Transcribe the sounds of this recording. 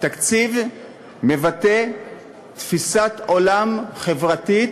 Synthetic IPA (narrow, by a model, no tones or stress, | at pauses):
t̪akt͡siv | me̞vat̪e̞ | t̪fisat̪o̞lamχe̞vʁati